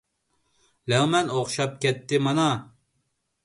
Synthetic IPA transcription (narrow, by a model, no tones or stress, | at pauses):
lɛwmɛnoχʃɑp̚kʲɛt̪ːɪmɑnɑ